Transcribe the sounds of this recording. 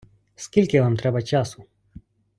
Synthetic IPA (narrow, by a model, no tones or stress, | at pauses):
skilʲkʲɛvamt̪ɾɛbat͡ʃasu